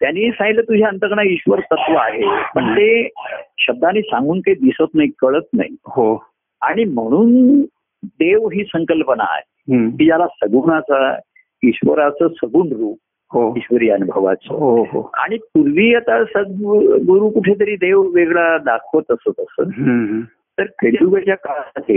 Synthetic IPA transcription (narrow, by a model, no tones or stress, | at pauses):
t̪janːiːsãŋɡilət̪ud͡ʑʱjaənt̪əkɳaiɕʋəɾt̪ət̪ʋəaɦepəɳt̪eɕəb̚d̪ʱaniːsãŋɡuːnkəid̪isət̪naikəɭət̪̚na̰ɦiho | aɽ̃im̤əɽ̃uːn | d̪eʋɦiːsəŋkəlpəna̰ːɦeɦkiːd͡ʑalasəɡuɳat͡sa | iɕʋəɾat͡səsəɡuːnɾuːp̚ | hoiɕʋəɾijanbʱəʋa̰t͡sə̰ɦɦoa̰ɽ̃ipuɾʋiːat̪asəɡɡuɾuːkuʈʰet̪əɾiːd̪eʋʋeɡɭad̪akʰʋət̪əsət̪əsə̰ | t̪əɾkeɽiuɡət͡ɕjakaɭaɦe